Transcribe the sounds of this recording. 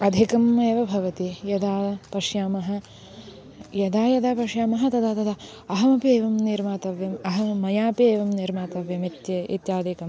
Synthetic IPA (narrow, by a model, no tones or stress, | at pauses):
ɐd̪ʱikɐmeːʋɐbʱɐʋɐt̪ijɐd̪aːpɐʂjaːmɐɦɐ̆ | jɐd̪aːjɐd̪aːpɐʂjaːmɐɦɐ̆t̪ɐd̪aːt̪ɐd̪aː | ɐɦɐmɐpieːʋɐmniɾmaːt̪ɐʋjɐmɐɦɐmɐjaːpieːʋɐmniɾmaːt̪ɐʋjɐmit̪jɐḭt̪jaːd̪ʱikɐm